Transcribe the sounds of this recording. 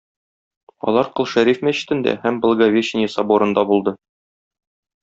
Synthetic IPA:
ɒ̰lˠɑɾqɤ̆lˠʃæɾifmæɕɘ̥̆t̪ɘ̆nd̪æ̰hæmb̆lˠɡɐvʲeɕnʲijɘsɑboɾɤ̆nd̪ɑbulˠd̪ɤ

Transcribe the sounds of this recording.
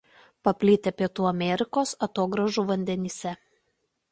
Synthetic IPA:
pɐpʲlʲɪt̪ʲepʲiɛt̪uːɐmʲɛɾʲɪkoːsɐt̪oːɡɾɐʒuːʋɐnʲd̪ʲɛnʲɪsʲɛ

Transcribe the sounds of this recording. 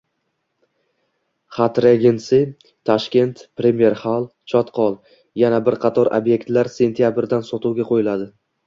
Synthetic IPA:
χat̪ɾeɡʲɪnsɪ | t̪ʰːɒʃkʲe̞nt̪pɾe̞mje̞ɾχalˠt͡ʃʰɒt̪qʰɒlˠ | janabɪɾqʰɑt̪ʰɒɾa̰bje̞k̚ʲt̪laɾse̞nt̪ʰijabɾd̪ansɒt̪uwɡʲaqʰojɪlad̪ɪ

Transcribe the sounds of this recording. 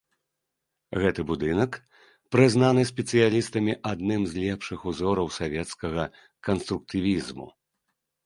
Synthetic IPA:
ɣɛt̪ɨbud̪ɨnɐk | pɾɨznanɨsʲpʲɛt̪sɨjalʲist̪ɐmʲiʔad̪nɨmzʲlʲɛpʂɨxuzɔɾɐwsavʲɛt̪skɐɣɐ | kɐnst̪ɾuk̚t̪ɨvʲizmṵ

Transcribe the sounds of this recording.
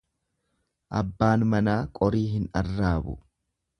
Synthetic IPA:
ʔɐ̰bːaːnmɐnaːkʼɔɾiːɦɪnɐ̰rːaːbʊ̰

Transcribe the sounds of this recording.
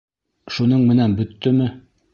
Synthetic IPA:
ʃunɤɴmɘ̆nænbɵ̆t̪ːɵmɘ

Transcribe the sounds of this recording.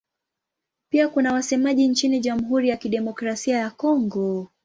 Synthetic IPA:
piakunawasɛmaʄint͡ʃiniʄam̩ɦuɾijakiɗɛmɔkɾasiajakɔŋɡɔ

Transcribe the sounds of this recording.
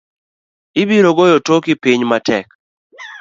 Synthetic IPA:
ɪbiɾoɡojotokɪpiɲmatɛk

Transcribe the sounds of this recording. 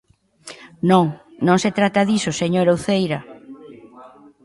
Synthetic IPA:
nõŋnõŋset̪ɾat̪ɐðisoseɲoɾowθejɾɐ

